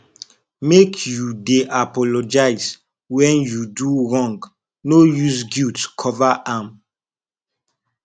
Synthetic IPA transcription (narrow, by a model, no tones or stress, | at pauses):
mekʰjudeʔapɔlod͡ʒaɪz | wɛ̃njuduɹɔ̃ŋɡ | nojuzɡitkʰɔvaʔãm